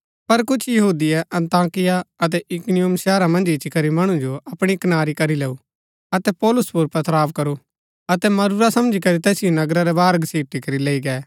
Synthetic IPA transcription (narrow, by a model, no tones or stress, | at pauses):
pɐɾkʊt͡ʃʰjɐɦuːd̪ɪjɛʔɐ̃nt̪aːkɪjaɐt̪̬ɛʔɪkʊnijʊmsɛːɾamɐ̃nd͡ʒɪt͡ʃikɐɾimɐɽ̃ũd͡ʒoɐpɽ̃ikɐnaːɾikɐɾileːu | ɐt̪ɛpɔːlʊspʊɾpɐt̪ʰɾaːʋkɐɾu | ɐt̪ɛmɐɾuɾasɐ̃md͡ʒikɐɾit̪ɛːsɪjonɐɡɾaɾɛbaːɾɡsiːʈikɐɾileːiɡɛː